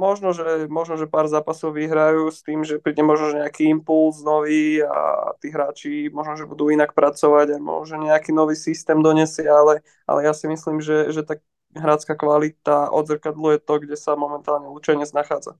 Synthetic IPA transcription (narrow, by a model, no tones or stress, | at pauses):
mɔʒnɔʒɛmɔʒnɔʒɛpaːɾzaːpasɔʊʋiɦɾajuːst̪iːmʒɛpɾiːɟɛmɔʒnɔʒɛɲɛakiimpulznɔʋiːa̰t̪iːɦɾaːt͡ʃimɔʒnɔʒɛbud̪uːinak̚pɾat͡sɔʋaɟamɔ̰nɔʒɛɲɛakiːnɔʋiːsist̪ɛːmd̪ɔɲɛsɪɛalɛ | ʔa̰lɛjasimisliːmʒɛʒɛt̪a | ɦɾaːt͡skakʋalit̪aʔɔ̰d̪zɾkad̪lujɛt̪ɔɡɟɛsamɔmɛnt̪aːlɲɛut͡ʃɛjɲɛd͡znaxaːd͡za̰